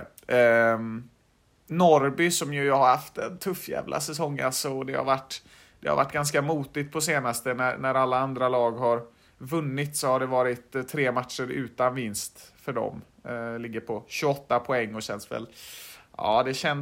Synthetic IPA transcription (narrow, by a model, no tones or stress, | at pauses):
nɔɾbɪsɔmjɵjhaɾhaft̪d̪ɛnt̪ʰɵfːjæ̰ːvlʔa̰sɛsɔŋːa̰lsɔɔd̪ɛha̰ɾvaʈː | d̪̥ɛ̰ha̰ɾva̰ʈːɡ̥anskamuːt̪ɪt̪̚pʰɔseːnast̪ənænæɾalːaand̪ɾalɑːɡɦaɾ | vɵnːɪt̪sɔhaɖɛvɑːɾɪt̪ʰːɾeːmat̪ʂəɾʉ̟ːt̪anvɪnst̪fœɖɔ̰m | lɪɡːəɾpʰɔɕɵɔt̪ːapʰɔɛŋːɔsɛnsvɛ̰l | ɑ̰ːd̪ɛɕɛn